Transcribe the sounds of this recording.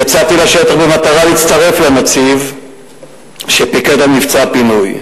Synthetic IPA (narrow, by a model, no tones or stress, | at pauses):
at͡sat̪ilaʃe̞t̪aχbemat̪aʁaliit͡st̪aʁe̞flemat͡siv | ʃepiket̪amnivt͡sapinuj